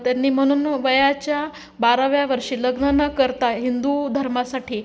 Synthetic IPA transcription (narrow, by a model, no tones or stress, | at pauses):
t̪janːiːm̤əɽ̃uːnʋəjat͡ɕja | baɾaʋjaʋəɾʂiːləɡnənakəɾt̪aɦind̪ud̪ʱəɾmasaʈʰiː